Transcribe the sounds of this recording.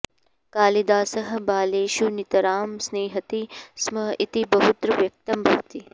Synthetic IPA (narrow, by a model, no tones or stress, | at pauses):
kaːlid̪aːsɐɦɐ̆baːleːʃunit̪ɐɾaːmsneːɦɐt̪ismɐit̪ibɐɦut̪ɾɐʋjɐk̚t̪ɐmbʱɐʋt̪i